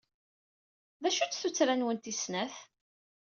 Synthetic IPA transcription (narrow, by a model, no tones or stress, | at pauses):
ðæʃut͡sθut͡sːɾænwənt̪isnæθ